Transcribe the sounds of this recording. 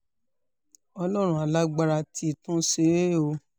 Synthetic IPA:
ɔ˧lɔ˦˨ɾ̃ũ˦a˨la˦ɡ͡ba˧ɾa˧tʰi˧˨tũ˦se˨˦ɾe˦˨o˧

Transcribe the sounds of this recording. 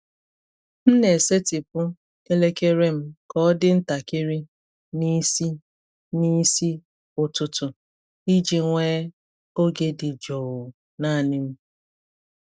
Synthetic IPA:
m̩˦ne˨se˦tɪ˨pʊ˦ | ke˦le˦ke˦ɾe˦m̩˦kɔ˦ɔ˦dɪ˦n̩˦ta˨kɪ˦ɾi˦ | ni˦si˦ | ni˦si˦ | ʊ˨tʊ˨tʊ˨ | i˦d͡ʒi˨ŋʷeː˦ | o˦ɡe˦dɪ˨d͡ʒo˨ʊ˨ | na˦˨nɪ˦m̩˦

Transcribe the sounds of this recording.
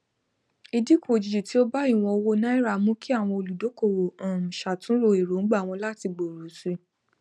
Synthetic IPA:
i˧di˦kʰo˨d͡ʒi˨d͡ʒu˨ti˨˦o˦ba˦i˦˨w̃ɔ̃˧o˧wo˦nã˦i˦ɾa˦˨mũ˦ki˦a˦˨w̃ɔ̃˧o˧lu˨do˨˦ko˦˨wo˨ã˨m̩̃˨ʃa˨tũ˨˦ɾo˧˨e˨ɾo˨˦ɡ͡ba˦˨w̃ɔ̃˧la˦˨ti˧ɡ͡bo˨ɾu˨˦si˧˦

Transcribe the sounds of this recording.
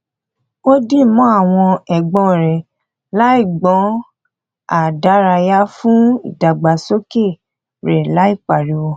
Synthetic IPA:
o˦dĩ˦˨˦mɔ̃˨˦a˦˨w̃ɔ̃˧ɛ˨ɡ͡bɔ̃˨ɾɛ˨ | la˦i˦˨ɡ͡bɔ̃˨˦ | a˨da˨˦ɾa˧ja˦fũ˦i˨da˨ɡ͡ba˨so˦ke˦˨ | ɾɛ˨la˦i˦˨k͡pa˨ɾi˨˦wo˧

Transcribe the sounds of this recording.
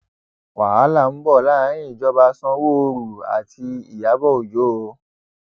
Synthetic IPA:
wa˨a˨˦la˦˨m̩˦bɔ˦˨la˦ã˨˦ĩ˦˨d͡ʒɔ˧˦ba˧sɔ̃˦wo˦˧ɾu˨a̰˨tʰi˧ḭ˨ja˨˦bɔ˦o˨d͡ʒo˨˦o˧

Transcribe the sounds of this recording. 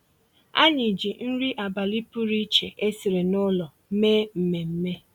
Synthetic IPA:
a̰˦ɲɪ˨d͡ʒi˨n̩˦ɾi˦ʔa˨ba˨li˦pu˦ɾi˦t͡ʃe˨ʔe˦si˨ɾe˨nʊ˦lɔ˨˦meː˦m̩˨me˨m̩˦me˦

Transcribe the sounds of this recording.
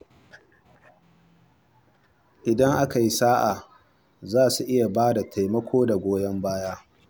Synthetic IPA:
ʔɪ˨dɐ˦ŋʔa˦ka˨ji˦saː˦ʔa˨ | zaː˦˨su˨ʔɪ˦ja˨baː˦da˨tʰa˨jmɐ˦kʷʰoː˦da˨ɡʷoː˦jɐ˦mbaː˦jaː˦

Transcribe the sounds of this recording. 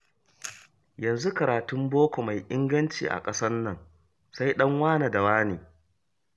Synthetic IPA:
jɐ˨nzu˦kɐ˨ɾaː˨tʊ˦mboː˦kʷo˨ma˨jʔɪ˦ŋɡɐ˦nt͡ʃḭː˨ʔa̰˨kʼɐ˦sɐ˦nːɐ˨ŋ | sa˦jɗɐ˦ŋwaː˦naː˨da˨waː˦neː˨

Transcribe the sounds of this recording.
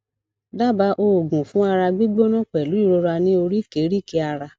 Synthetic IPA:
da˦˨ba˨˧˦ʔo˧˨ɡũ˨fũ˨˦a˧ɾa˧ɡ͡bi˦ɡ͡bo˦nã˦˨k͡pɛ˨lu˨˦i˦˨ɾo˧ɾa˧nĩ˦o˧ɾi˦ke˨˦ɾi˦˨ke˧a˧ɾa˧

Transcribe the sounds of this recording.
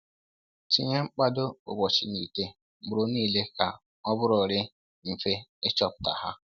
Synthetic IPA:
ti˦ɲe˦ŋ͡m̩˦k͡pa˦do˦bʊ̰˨bɔ˨t͡ʃi˨ni˨te˦ | m̩˨ʊ˨ɾo˦niː˦˨le˦ka˨ | ɔ˦bʊ˦ɾʊ˨ɾɪ˦ | m̩˨fe˦e˦t͡ʃɔ˦pʊ̥˨ta̰˨ha̰˦

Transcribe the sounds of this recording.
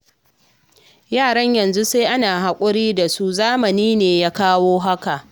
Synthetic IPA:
jaː˦˨ɽɐ˦ɲjɐ˨nzu˦seː˦ʔa˦naː˨ɦa˨kʷʼʊ˦ɽiː˦da˨su˦zaː˦mɐ˨niː˦neː˨jaː˦kaː˦woː˦ɦa˦ka˨ʔ

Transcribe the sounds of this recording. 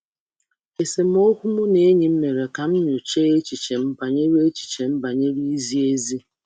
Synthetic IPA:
e˨se˨m̩˦o˦kʷu˦mʊ˦ne˦ɲi˦m̩˦me˨ɾe˨ka˨m̩˦ɲu˨t͡ʃe˦e˦t͡ʃi˨t͡ʃe˨m̩˦ba˨ɲe˦ɾe˦t͡ʃi̥˨t͡ʃe˨m̩˦ba˨ɲe˦ɾi˦i˦zi˦e˦zi˦

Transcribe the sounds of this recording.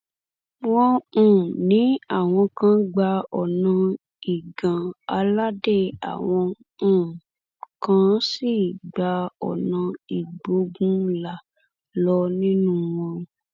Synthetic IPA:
w̃ɔ̃˧ũ˨nĩ˨˦a˦˨w̃ɔ̃˧kã˦ɡ͡ba˧ɔ˨nã˧ | i˨ɡã˨a˧la˦de˦˨a̰˨w̃ɔ̃˧ | ũ˨ | kã˦si˦˨ɡ͡ba˧ɔ̰˨nã˧i˨ɡ͡bo˨˦ɡũ˦la˨ | lɔ˧nĩ˦nũ˦w̃ɔ̃˧

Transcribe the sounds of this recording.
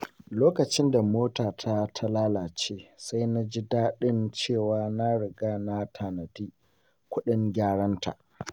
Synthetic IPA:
loː˦kɐ˨t͡ʃɪ˦nda˨moː˦taː˨tʰa˦tʰa˦laː˦laː˨t͡ʃeː˦sa˦jna˦d͡ʒi˦daː˦ɗɪ˦nt͡ʃeː˦˨waː˦na˦ɽɪ˨ɡaː˦na˦tʰa˨nɐ˨diː˦ | kʷʊ˦ɗɪ˦ŋɡʲaː˦ɽɐ˦nta̰˨ʔ

